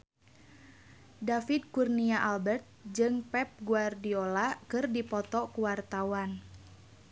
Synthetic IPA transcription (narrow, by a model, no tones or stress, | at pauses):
dafid̚kurniaʔalbɛrt̪̚d͡ʒɨŋpɛp̚ɡuardiolakɨrdipɔt̪ɔkuwart̪awan